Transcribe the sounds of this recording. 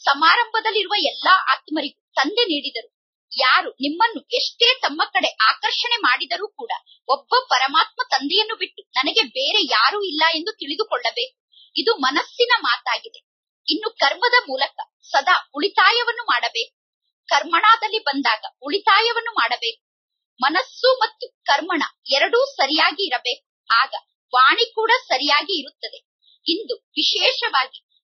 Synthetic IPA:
sɐmaːɾɐmbʱɐd̪ɐlːiɾuʋɐɛlːaːa̰ːt̪mɐɾiɡut̪ɐnd̪e̞niːɽid̪ɐɾu | jaːɾunimːɐnːueʂʈe̞ːt̪ɐmːɐkːɐɽe̞ʔaːkɐɾʂɐɳe̞maːɽid̪ɐɾuːkuːɽɐ | ɔbːɐpɐɾɐmaːt̪̚mɐt̪ɐnd̪ɛjɐnːubiʈːunɐnɐɡe̞beːɾe̞jaːɾuːilːɐe̞nd̪ut̪iɭid̪ukɔɭːɐbeːk̚u | id̪umɐnɐsːinɐmaːt̪aːɡid̪e̞ | inːukɐɾmɐd̪ɐmuːlɐkɐ | sɐd̪aːuɭit̪aːjɐʋɐnːumaːɽɐbeːku̥ | kɐɾmɐɳaːd̪ɐlːibɐnd̪aːɡɐuɭit̪aːjɐʋɐnːumaːɽɐbeːk̚u | mɐnɐsːumɐt̪ːukɐɾmɐɳɐ̰ɛɾɐɽuːsɐɾijaːɡiːɾɐbe̞ːk̚u | aːɡɐ | ʋaːɳikuːɽɐsɐɾijaːɡiːɾut̪ːɐd̪e̞ | ind̪uʋiʃɛːʃɐʋaːɡi

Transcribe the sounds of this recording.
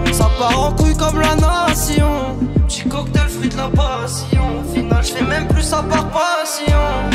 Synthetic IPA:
sɑ̃paʁɑ̃kykɔmlanasjɔ̃ | ʒikɔkd̪əlfχid̪lapa | sjɔ̃ | finalʒfɛmɛ̃mplysãpaʁpasjɔ̃

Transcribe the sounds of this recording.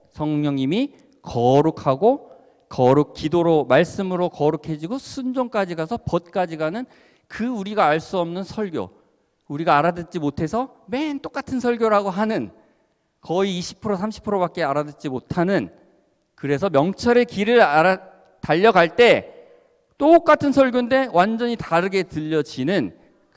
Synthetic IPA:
sʰʌŋɲʌŋɲimi | kʌɾukʰaɡo | kʌɾuk̚k͈idoɾomaɭs͈ɯmɯɾokʌɾukʰe̞d͡ʑiɡosʰund͡ʑoŋk͈ad͡ʑiɡasʰʌpʌt̚k͈ad͡ʑiɡanɯn | kɯuɾiɡaːɭs͈uʌmnɯnsʰʌɭɡjo̰ | uɾiɡaːɾadɯt͡ɕ͈imotʰe̞sʰʌ | me̞nt͈ok͈atʰɯnsʰʌɭɡʲjoɾaɡoɦanɯn | kʌiːɕʰi̥pʰɯɾosʰamɕʰi̥pʰɯɾobak̚k͈e̞aɾadɯt͡ɕ͈imotʰanɯn | kɯɾe̞sʰʌmjʌŋt͡ɕʰʌɾekiɾɯɾ | taʎːʌɡaɭt͈e̞ | t͈ok͈atʰɯnsʰʌɭɡjonde̞wʔand͡ʑʌɲitaɾɯɡe̞tɯʎːʌd͡ʑinɯn

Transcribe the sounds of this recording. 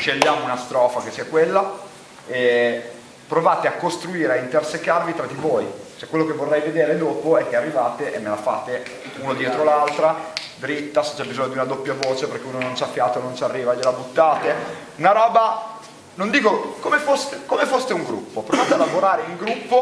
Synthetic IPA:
ʃeʎːaːmounast̪ɾɔːfak̟esːiːakwelːa | e | pɾovaːt̪eakːost̪ɾuiːɾeeint̪ersekːarvit̪ɾad̪ivoːjt͡ʃoɛkːwelːokevːorːɛjved̪eːɾed̪oːpoɛkːearːivaːt̪eʔemːelafa̰ːt̪e | uːnod̪jɛːt̪ɾolalt̪ɾad̪ɾit̪ːase̥t͡ʃːɛbizoɲːod̪iunad̪opːjavoːt͡ʃeperk̟euːnonont͡ʃafːjaːt̪onont͡ʃarːiːvaeʎːelabut̪ːaːt̪e | unaɾɔːba | nond̪iːkokomefost̪ekomefost̪euŋɡɾṵpːopɾovaːt̪ealːavoɾaːɾeiŋɡɾupːo

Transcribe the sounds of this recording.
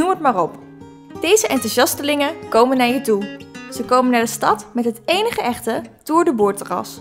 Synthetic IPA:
umətmaːrɔp | d̥ejzəʔɛntusɑstəlɪŋəkowmənaːɹjətuz̥əkowmənaːɹdəstɑtmɛtɦətejnəχəʔɛχtəd̥ʊːɹdəbʊːɹtərɑ̰s

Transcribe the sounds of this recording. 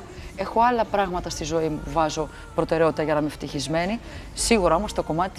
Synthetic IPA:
e̞xo̞ɐlɐpɾɐɣmɐt̪ɐst̪izo̞imuvɐzo̞ | pɾo̞t̪e̞ɾeo̞t̪it̪ɐʝɐnɐmeft̪içizme̞ni | siɣuɾɐo̞mo̞st̪o̞ko̞mɐt̪i̥t̪

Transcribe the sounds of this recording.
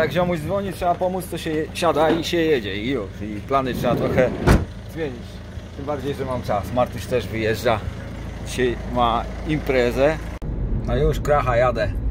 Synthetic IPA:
jakɕ̬ɛɔmuʑd̪vɔɲitʂɛbapɔmut̪st̪ɔɕɛɛɕad̪aiɕɛjɛd͡ʑɛijuʂiplanɘtʂɛbat̪ɾɔxɛ | zmʲjeɲit͡ɕ | t̪ɘmbaɾd͡ʑejʐɛmamt͡ʂasmaɾt̪uʂt̪ɛʐvɘjɛʐd͡ʐa | d͡ʑiɕajmaimpɾɛzɛ | najuʂkɾaxajad̪ɛ

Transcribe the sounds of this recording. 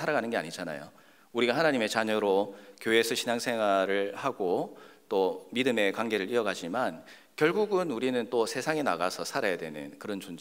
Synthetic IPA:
sʰaɾaɡanɯnɡe̞a̰ɲid͡ʑana̰jo | uɾiɡahanaɲime̞t͡ɕaɲʌɾokjoe̞sʰʌɕʰinaŋsʰe̞ŋɦwaɾɯɭhaɡot͈omidɯme̞kwaŋɡe̞ɾɯɾiʌɡad͡ʑiman | kjʌɭɡuɡɯnuɾinɯnt͈osʰe̞sʰaŋenaɡasʰʌsʰaɾajadwe̞nɯ̰nkɯɾʌnt͡ɕund͡ʑe

